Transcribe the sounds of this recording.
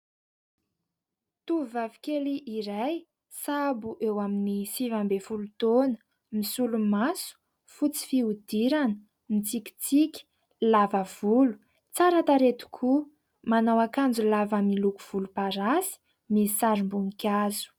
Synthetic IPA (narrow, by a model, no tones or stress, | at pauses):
t̪uvavi̥kʲeliʔiɾaj | sabuʔewaminisivambefulut̪onə̥ | misulumasu̥ | fut͡si̥fiud̪̥iɾanə | mit͡siki̥t͡sikʲi̥ | lavəv̥ulu̥ | t͡saɾat̪aɾet̪u̥kʰu | manawakand͡zulavamiluku̥v̥ulupaɾasi̥ | misaɾimbunikʲazu̥